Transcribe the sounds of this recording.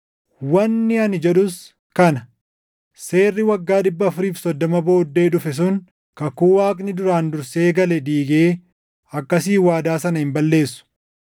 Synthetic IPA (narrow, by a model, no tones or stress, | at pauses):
wɐnːɪɐnɪd͡ʒɛᶑʊs | kɐnɐ | se̞ːrːɪwɐɡːaːᶑɪbːɐɐfʊɾiːfsɔd̪ːɔmɐbo̞ːd̪ːe̞ːᶑʊfɛs̬ʊŋ | kɐkuːwaːkʼnɪd̪ʊɾaːnd̪ʊɾseːɡɐlɛd̪iːɡe̞ː | ɐkːɐsiːwaːd̪aːsɐnɐhɪmbɐlːe̞ːsːʊ̥